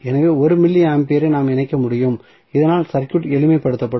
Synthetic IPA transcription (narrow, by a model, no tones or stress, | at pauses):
ɛnɐʋeːɔɾɯmɪlːɪaːmpeːɾɐɪnaːmɪnɐɪkːɐmʊɽɪjɯm | ɪðɐnaːlsɐɾkjʊʈɛlɯmɐɪpːɐɽɯt̪ːɐpːɐɽ